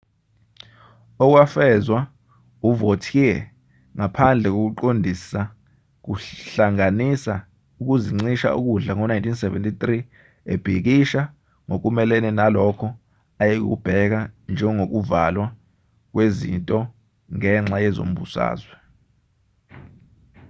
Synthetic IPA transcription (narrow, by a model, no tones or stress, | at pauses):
ɔk̬wafɛzwa | uvotʰijɛ | ŋapʰand͡ɮʱɛk̬ok̬uǃondʱisa | k̬uɬaŋanisa | uk̬uziŋ͡ǀiʃa̰ʔṵk̬uɮaŋɔnajntʰinsɛvɛ̰ntʰʼit̪ʼri | ḛb̥ʱik̬iʃa | ŋok̬umɛlɛnɛnalɔkʰɔ | ajik̬ṵb̥ʱɛk̬and͡ʒʱɛŋok̬uvalwa | k̬wezḭntʼɔ | ŋɛŋ͡ǁajɛzo̰m̩bṵsa̰ːzwɛ